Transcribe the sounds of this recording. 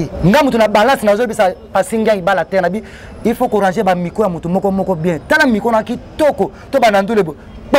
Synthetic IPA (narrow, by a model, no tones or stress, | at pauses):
ŋɡamutunabalasinazbisapasiŋɡaŋibalatɛnabi | ifokoʁãnʒebamikojamotomɔkɔmɔkɔbjɛ̃talamikonakitɔko | tobanandulebo | k͡p